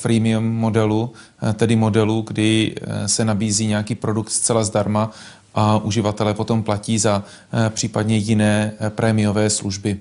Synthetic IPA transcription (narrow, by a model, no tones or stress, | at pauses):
pɾiːmɪumːo̞dɛlu | t̪ɛdɪmo̞dɛluɡdɪsɛnabiːziːɲɛjakiːpɾo̞dukt̪st͡sɛlazdaɾma | ʔaʔuʒɪvat̪ɛlɛpo̞t̪o̞mplaciːza | pr̥iːpadɲɛjɪnɛːpɾʔɛːmɪjo̞vɛːsluʒbɪ